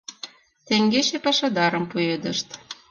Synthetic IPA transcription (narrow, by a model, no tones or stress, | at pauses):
t̪eŋɡeʃepɑʃɑd̪ɑɾə̆mpujed̪ə̆ʃt̪